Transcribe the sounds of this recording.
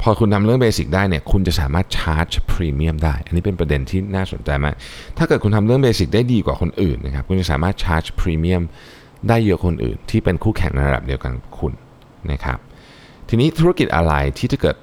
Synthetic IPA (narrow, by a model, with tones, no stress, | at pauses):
pʰɔː˧kʰu˧nt̪ʰmɾɯ˥˩əŋbeː˧si˨˩k̚daː˥˩jni˥˩əkʰu˧nt͡ɕa˨˩ʔsaː˩˦maː˥˩t̪̚t͡ɕʰaː˦˥t̪̚t͡ɕʰpʰɾiː˧mi˥˩əmdaː˥˩jʔa˨˧nːiː˦˥pe˧npɾa˧de˧nt̪ʰiː˥˩naː˥˩so̰˨˩˦nt͡ɕa˧jma̰ː˦˥˩k̚t̪ʰa˥˩kɤː˨˩t̪̚ku˧nt̪ʰa˧mɾɯ˥˩əŋbeː˧si˨˩k̚daː˥˩jdiː˧kwaː˨˩kʰo˧nʔɯ̰ː˨˩nː˦˥kʰa˦˥kʰu˧nt͡ɕa˨˩saː˩˦maː˥˩t̪̚t͡ɕʰaː˦˥t͡ɕpʰɾiː˧mi˦˥˩əm | daː˥˩jːɤ˦˥kʰo˧nʔɯ̰ː˨˩nt̪ʰiː˥˩pe˧nkʰuː˥˩kʰɛ̰˩˦ŋna˧jɾa̰˧da̰˨˩p̚di˧əwka̰˧n˩kʰu˧nː | a̰˦˥kʰa̰˦˥p̚ | t̪ʰiː˧niː˦˥t̪ʰu˦˥a˥ki˨˩t̪ʔa̰˧ɾa˧jt̪ʰiː˥˩t̪ʰa˥˩kɤː˨˩t̪̚